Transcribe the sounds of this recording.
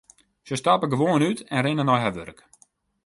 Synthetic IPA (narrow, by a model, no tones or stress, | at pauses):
səstapəɡəʋoːənytɛnrɪnənɔjɦaʋø̰rək